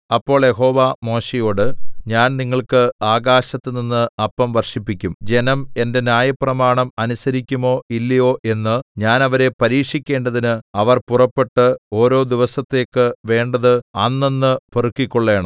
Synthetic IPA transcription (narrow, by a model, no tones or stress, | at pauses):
ɐpːo̞ːɭjeɦo̞ːʋamo̞ːɕejo̞ːɽɨɲaːnniŋːɐɭkɨaːɡaːɕɐt̪ːɨninːɨɐpːɐmʋɐrʂipːikʲːumd͡ʑe̞nɐme̞nde̞njaːjɐprɐmaːɳɐmɐnusɐɾikʲːumo̞ːʔilːɐjo̞ːʔe̞nːɨɲaːnɐʋɐɾe̞pɐɾiːkʂikʲːe̞ːɳɖɐðinɨɐʋɐrpurɐpːe̞ʈːɨo̞ːɾo̞ːd̪iʋɐsɐt̪ːe̞ːkːɨʋe̞ːɳɖɐðɨɐnːinːɨporukːikʲːoɭːeːɳɐ̰m